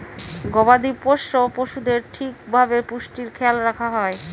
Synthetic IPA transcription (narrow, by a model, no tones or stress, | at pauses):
ɡɔbad̪ipoʃːopoʃud̪eɾʈʰikbʱabepuʃʈiɾkʰɛlɾakʰaɦɔe